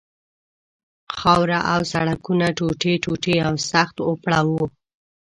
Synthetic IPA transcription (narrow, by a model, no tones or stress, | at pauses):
xawɾaʔawsaɽakunaʈoʈeʈoʈeawsaxt̪opɽawo